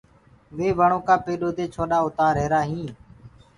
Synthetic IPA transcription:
ʋeːʋəɳõːkaːpeːɗoːd̪eːt͡ʃʰoːɗaːʊt̪aːɾeːɾaːɦĩː

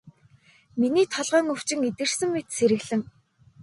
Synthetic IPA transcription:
miniːt̪ʰɔɮʁœːŋɵw̥t͡ɕɪ̆ŋet̪ɘ̆r̥sɘ̆ŋmet̪seɾɘ̆ɣɮɘ̆ŋ

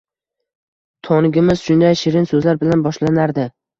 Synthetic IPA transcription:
t̪ʰɒnɪɡʲɪmɪzʃʊnd̪ajʃɪɾɪnsɵzlaɾbɪlanbɒʃlanaɾd̪ɪ

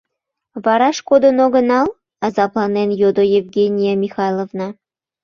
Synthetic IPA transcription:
vɑɾɑʃkod̪onoɣənɑl | ɑzɑplˠɑnenjod̪ojevɡʲenʲijamʲixɑjlˠovnɑ

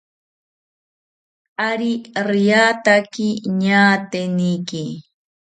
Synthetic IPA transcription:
aɾiɾijaːt̪akiɲaːt̪enijki

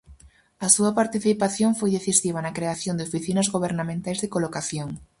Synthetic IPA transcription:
ɐsuɐpaɾt̪iθipaθjoŋfojðeθisiβ̞ɐnɐkɾeaθjond̪ɪofiθinɐzɣoβeɾnamẽnt̪ajzðɪkolokaθjoŋ

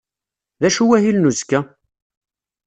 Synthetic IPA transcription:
ðæʃuwæhilnuzkːæ

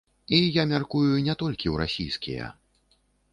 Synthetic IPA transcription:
ijamʲarkujunʲɛt̪ɔlʲkʲiwɾa̰sʲijskʲḭjɛ̰

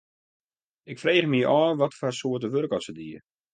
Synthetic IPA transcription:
ɪkfreːχmiəʔɔːʋɔtfarsoətəʋørkɔsədiə

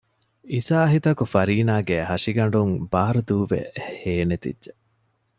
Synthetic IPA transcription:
isaːɐɦit̪ɐkufɐɾiːnaːɡeɦɐʂiɡɐɳ̆ɖuŋbaːɾud̪uːʋḛheːnet̪ḭdːʒe

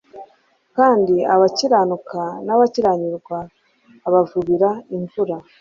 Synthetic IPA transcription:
kaːndiaβaciɾanukanaβaciɾaɲiɾɡwaː | βavuβiɾaiɱvuɾa

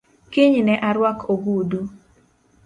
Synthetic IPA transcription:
kɪɲnɛʔaɾwakʰoɡudu

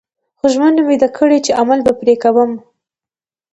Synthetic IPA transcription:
xoʒmənmid̪akʰəɽet͡ʃeʔamalbapɾekawəm

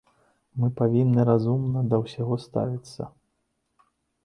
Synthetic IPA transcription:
mɨpavʲinːɨɾazumnɐd̪ɐwsʲaɣɔst̪a̰vʲit̪sːɐ̰

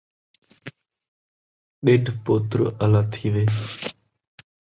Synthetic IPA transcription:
ɗeːɖʱpoːt̪ɾəəlaːt̪ʰiːʋeː

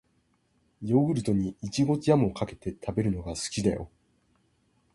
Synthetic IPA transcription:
joɡɯ̟ɾɯ̟t̪o̞ɲ̟iit͡ɕiɡo̞t͡sijamokake̞t̪e̞t̪ʰabe̞ɾɯ̟no̞ɡasɨ̥kʲid̪ajo̞̰

